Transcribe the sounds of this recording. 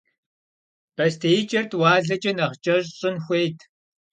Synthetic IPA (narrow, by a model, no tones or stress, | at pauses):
b̥ɐstʰeːjt͡ʃʼɐrtʰwaːɮɐt͡ʃʼɐnɐʁt͡ʃʼɐʑɕʼɪnxʷejtʰ